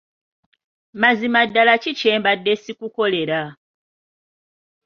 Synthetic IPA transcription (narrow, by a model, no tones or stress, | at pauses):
mazimadːalacit͡ʃeːmbadːe̞sikuko̞le̞ɾa